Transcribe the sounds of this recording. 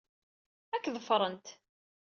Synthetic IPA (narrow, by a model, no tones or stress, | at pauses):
ækːðəfɾˤənt̪